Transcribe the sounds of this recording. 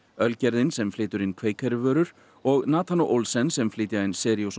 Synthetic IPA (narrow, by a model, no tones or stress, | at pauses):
œlcɛɾðɪnsɛmflɪːt̪ʏɾɪnkʰveːjkʰɛɾɪvœːɾʏɾ̥ | ɔɣnaːt̪ʰanuʔolsɛnsɛmflɪːt̪jaɪnsɛːɾjows